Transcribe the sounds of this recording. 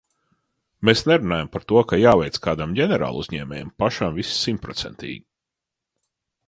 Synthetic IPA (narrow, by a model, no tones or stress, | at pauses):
mesnɛɾunaːjampaɾt̪uɔkajaːvɛjt̪skaːd̪amɟɛnɛɾa̰ːlˠuzɲɛːmʲɛ̰ːjɛmpaʃamvissimt̪pɾɔt̪sɛnt̪ʰʲḭːɡʲ